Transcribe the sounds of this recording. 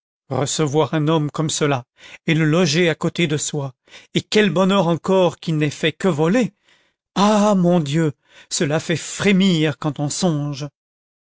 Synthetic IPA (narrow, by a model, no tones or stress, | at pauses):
ʁə̰səvwaʁɛ̃nɔmkɔmsəla | eləlɔʒeakot̪ed̪əswa | ekʲɛlbɔnœʁɑ̃kɔʁkʲinɛfɛkəvɔle | amɔ̃d̪jø | səlafɛfχemiʁkɑ̃t̪ɔ̃sɔ̃ʒ